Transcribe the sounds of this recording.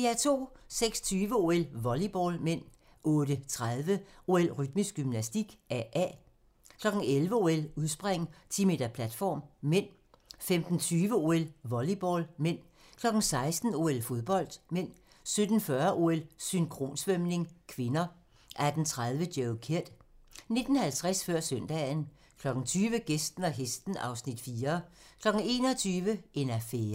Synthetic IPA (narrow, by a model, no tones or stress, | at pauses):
iæɐt͡sʰo̝̰ːseɡ̥sɒ̥t͡sʰyːʋəo̝elʋɒlib̥ɒlmen̰ | ʔɔ̽ːdət͡sʰʁað̞ˠʋəʔo̝elʁyd̥misɡ̥ymnæsd̥iɡ̥æʔæ̰ | kʰlɒ̽ɡ̥n̩elʋəo̝eluðˠsb̥ʁeŋ̰t͡sʰḭme̝̰ːd̥ɐpʰlæd̥fɒ̰ːmmen̰ | femd̥n̩t͡sʰyːʋəo̝elʋɒlib̥ɒ̰lmen̰ | kʰlɒ̽ɡ̥n̩sɑ̈ɪsd̥n̩o̝elfo̝ðˠb̥ɒ̽l̰d̥men̰ | sød̥n̩fɶɐʔo̝elsyŋkʰʁo̝̰ːnsʋømne̝ŋkʰʋe̝nɐ | ʔæɐd̥n̩t͡sʰʁað̞ˠʋəd̥jeʊkʰeɐ̰d̥ne̝d̥n̩hælt͡sʰʁasfɶɐ̰sœn̰d̥ɛn | kʰlɒ̽ɡ̥ŋ̩t͡sʰyːʋəɡ̥esd̥n̩æɦesd̥n̩ɑ̈ʊsnid̥fiːɐkʰlɒ̽ɡ̥ŋ̩e̝̰ːnɒt͡sʰyːʋəʔe̝næfeː